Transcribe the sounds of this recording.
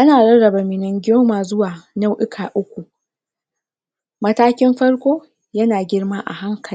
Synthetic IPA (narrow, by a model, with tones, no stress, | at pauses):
ʔa˦naː˨ɽɐ˦ɽɐ˨ba˨mɪ˨nɐ˦ŋɡʲoː˦wmaː˨zʊ˦waː˨na˦˨wʔɪ˦kʰa˨ʔʊ˦kʷu˨ | mɐ˦taː˦kʲɪ˦mɸɐ˦rkʷoː˦ | jɐ˦naː˨ɡʲɪ˦rmaː˦ʔa̰˨ha˦ŋkʰɐ˨˦